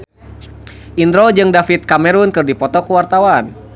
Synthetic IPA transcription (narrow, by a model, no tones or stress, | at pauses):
ʔind̪ɾɔd͡ʒɨŋdafit̪̚kamɛɾunkɨrdipɔt̪ɔkuwart̪awan